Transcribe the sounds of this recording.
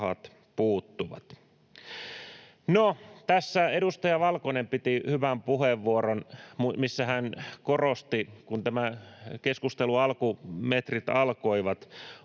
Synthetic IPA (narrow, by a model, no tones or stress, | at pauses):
hɑ̰t̪ | puːt̪ːuʋɑ̰t̪ | not̪æsːæedust̪ɑjɑʋɑlkonempit̪ihyʋæmpuheʋːuoronmmisːæhænkorost̪ikunt̪æmækeskust̪eluɑlkumet̪rit̪ɑlkoiʋɑt̪